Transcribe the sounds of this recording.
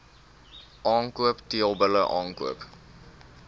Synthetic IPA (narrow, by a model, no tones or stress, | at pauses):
ʔɑːŋkuəptiəlˠbələʔɑːŋkṵəp